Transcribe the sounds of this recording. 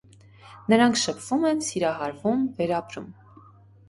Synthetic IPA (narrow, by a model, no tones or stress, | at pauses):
nəɾɑŋkʰʃəpʰv̥umɛnsiɾɑɦɑɾvumvɛɾɑpɾṵm